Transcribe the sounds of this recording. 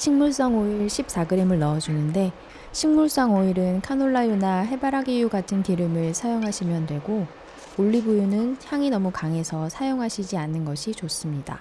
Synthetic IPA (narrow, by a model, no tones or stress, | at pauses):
ɕʰiŋmuɭs͈ʌŋoiɭɕʰip̚s͈aɡɯɾe̞mɯɭnʌʌd͡ʑunɯnde̞ | ɕʰiŋmuɭs͈ʌŋoiɾɯnkʰanoɭːajunaɦe̞baɾaɡijuɡatʰɯnkiɾɯmɯɭsʰajoŋɦaɕʰimjʌndwe̞ɡo | oɭːibujunɯnçjaŋinʌmukaŋe̞sʰʌsʰajoŋɦaɕʰid͡ʑianːɯnɡʌɕʰit͡ɕos͈ɯmɲida̰